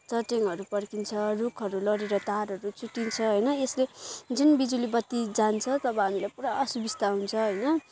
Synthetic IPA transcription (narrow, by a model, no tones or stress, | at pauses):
t͡sʌʈeŋɦʌɾupʌrkint͡sʰʌrukʰʌɾulʌɾeɾʌt̪aɾɦʌɾut͡suʈːint͡sʰʌɦʌjnʌesled͡zunbid͡zulibʌt̪ːid͡zant͡sʰʌt̪ʌbʌ̃ɦamilajpuɾaʔʌsubist̪aɦunt͡sʰʌɦʌjnʌ